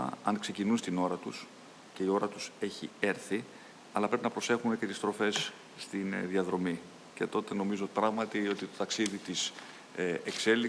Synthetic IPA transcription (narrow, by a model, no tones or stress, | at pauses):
ɐ̰nkse̞cinunst̪ino̞ɾɐt̪us | ce̞io̞ɾɐt̪u̥se̞çḭeɾθi | ɐlɐpɾe̞pinɐpɾo̞se̞xumece̞t̪ist̪ɾo̞fe̞sː | t̪inðiɐðɾo̞mi | ce̞t̪o̞t̪e̞no̞mizopɾɐɣmɐt̪io̞t̪it̪o̞t̪ɐksiðit̪is | ekse̞li